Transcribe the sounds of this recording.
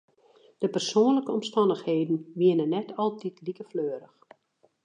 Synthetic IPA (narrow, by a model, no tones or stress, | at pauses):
d̥əpərsoːənləkəɔmstɑndəxheːdn̩ʋiənənːɛtʰɔlˠtitlikəfløːɾəx